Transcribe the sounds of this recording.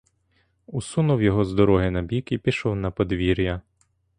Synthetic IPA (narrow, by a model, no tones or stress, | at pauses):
ʊsunʊwjɔɦɔzd̪ɔɾɔɦɪnɐbʲikipʲiʃɔwnɐpɔd̪ʋʲiɾʲjɐ